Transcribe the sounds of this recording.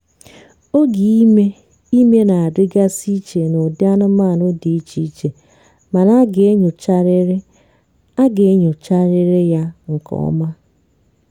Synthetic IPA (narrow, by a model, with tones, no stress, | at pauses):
o˦ɡi˨i˦me˦ | i˦me˦na˨a˨dɪ˦ɡa˦si˦t͡ʃe˨no˨dɪ˦a˦nʊ˦ma˦˨nʊ˦di˨i˦t͡ʃi˦t͡ʃe˨ | ma˨na˦ɡe˨e˦ɲo˨t͡ʃa˦ɾɾɪ˦ | a˦ɡe˨e˦ɲo˨t͡ʃa˦ɾɪ˦ɾɪ˦ja˦ŋ̩˨kɔ̰˨ɔ˦ma˦